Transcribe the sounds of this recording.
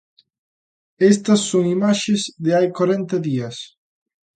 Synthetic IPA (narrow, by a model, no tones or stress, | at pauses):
est̪ɐsːoŋimaʃɪzðɪajkwaɾent̪ɐðiɐs